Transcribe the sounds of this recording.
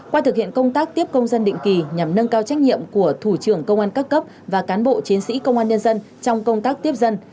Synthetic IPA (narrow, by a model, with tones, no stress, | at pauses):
kwaː˧t̪ɨ˨˩hḭ˧˨ənkə˧wŋ͡mt̪aː˦˥k̚t̪i˦˥əp̚kə˧wŋ͡mzə˧nɗḭ̈˧˨ŋ̟ki˨˩ɲa˨˩mnə˧ŋkaː˧wt͡ɕa˦˥jk̟̚ɲḭ˧˨əmku˧˩ət̪ʰu˧˩t͡ɕɨ˧˩əŋkə˧wŋ͡mʔaː˧nkaː˦˥kːə˦˥p̚ | vaː˨˩kaː˨˦nɓo̰˧˨t͡ɕi˨˦ənsḭ˧˥kə˧wŋ͡mʔaː˧nɲə˧nzə˧n | t͡ɕɔ˧wŋ͡mkə˧wŋ͡mt̪aː˦˥k̚t̪i˦˥əp̚zə˧n